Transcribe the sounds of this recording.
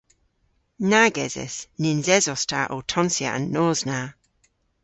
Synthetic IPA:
naɡɛzɛ̰snɪnzɛzɔstʰaʔotʰɔnsjə̰ə̰̃nːɔːzna

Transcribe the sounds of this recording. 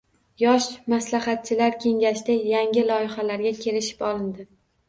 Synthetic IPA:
jɒʃmaslaχat̪̚t͡ʃʰɪlaɾkʲʰe̞ŋɡʲaʃd̪ajaŋɡʲɪlɒjɪχalaɾɡʲakʲʰe̞lɪʃɪ̥pɒlˠɪnd̪ɪ

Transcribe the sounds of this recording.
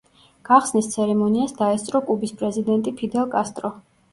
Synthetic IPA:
ɡ̥aχsnist̪sʰɛɾɛmɔniasd̪aɛst̪sʼɾɔkʼubispʼɾɛzid̪ɛnt̪ʼipʰid̪ɛlˠkʼast̪ʼɾɔ

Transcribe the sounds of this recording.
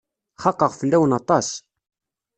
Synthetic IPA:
χɑqːəʁfəlːæwənɑt̪ˤɑs

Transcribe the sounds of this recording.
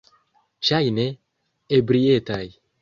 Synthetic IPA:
t͡ʃajne | ebɾietaj

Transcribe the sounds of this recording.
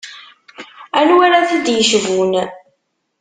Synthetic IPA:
ænwaɾaθid̪jəʃvun

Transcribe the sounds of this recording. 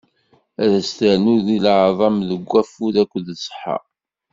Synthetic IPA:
æðæst̪əɾnuðilʕðˤɑmðəɡʷːæfuðækʷːəðsˤə̥ħːɑ̰

